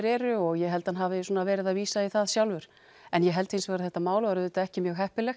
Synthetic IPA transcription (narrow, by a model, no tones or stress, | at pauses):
ɾɛːɾʏɔɣjɛɦɛlt̪hanɦavɪsuɔnavɛːɾɪðaðviːsaiθaðsjawlvʏɾ̥ | ɛnjɛɦɛlt̪ensvɛːɾaθɛht̪ːamaːwlʏvaɾʏðɛt̪aɛhcɪmjœːɣɦɛhpɪlɛx